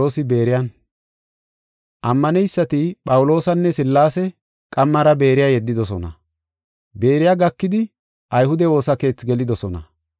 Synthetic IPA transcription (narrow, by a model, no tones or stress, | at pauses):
oːsɪbe̞ːɾɪjɐn | ʔɐmːɐnɛjsːɐt̪ɪpʼɐwʊlo̞ːsɐnːɛsɪlːaːsɛ | kʼɐmːɐɾɐbe̞ːɾɪjaːjɛd̪ːɪd̪ɔsɔnɐ̰ | be̞ːɾɪjaːɡɐkːɪd̪ɪ | ʔɐjhʊd̪ɛo̞ːsɐke̞ːt͡sɡɛlɪd̪ɔsɔnɐ̰